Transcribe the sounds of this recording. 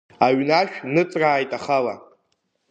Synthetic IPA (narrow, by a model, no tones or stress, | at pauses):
aɥnaʃᶣnɨt͡sʼraːjtʼaχala̰